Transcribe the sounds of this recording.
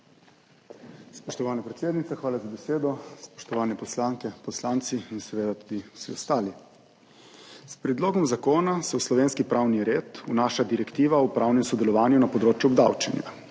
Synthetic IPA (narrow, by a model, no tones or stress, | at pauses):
spɔʃt̪ɔʋaːnapɾɛt̪seːd̪nit̪saxʋaːlazabɛseːd̪ɔspɔ̥ʃt̪ɔʋaːnɛpɔslaːŋkɛpɔslaːnt̪siinsɛʋeːd̪at̪ud̪iw̥sḭɔst̪aːli | spɾɛd̪loːɡɔmzakoːnasɛwslɔʋeːnskipɾaːwniɾeːt̪unaːʃad̪iɾɛkt̪iːʋaupɾaːwnɛmsɔd̪ɛlɔʋaːnjunapɔd̪ɾoːt͡ʃjuɔbd̪awt͡ʃɛnja̰